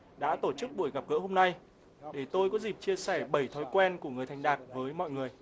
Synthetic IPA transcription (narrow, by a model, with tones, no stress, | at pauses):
ɗa̰ː˧˥t̪o˧˩t͡ɕɨ˦˥k̚ɓu˧˩əjɣa˨˩p̚ɣə̰ː˧˥ho˧mna˧j | ɗe˧˩t̪o˧jkɔ˨˦zi˨˩p̚t͡ɕi˧əsɛ˧˩ɓə˧˩jt̪ʰɔ˨˦jkwɛ˧nku˧˩əŋ˨əjt̪ʰa˨˩ŋ̟ɗaː˨˩k̚vəː˨˦jmɔ̰˧˨jŋɨ˨˩əj